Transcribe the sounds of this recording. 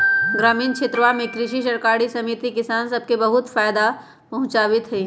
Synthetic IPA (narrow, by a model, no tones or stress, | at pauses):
ɡɾaːmiːnkʃʰɪt̪ɾəʋamẽkɾɪʃiʃ̬ɐɾkaːɽisɐmiːt̪ikɪsaːnsɐb̚kebɐɦʊt̪faːjd̪a | pɐɦʊ̃t͡ʃaːʋɪt̪ɦɛ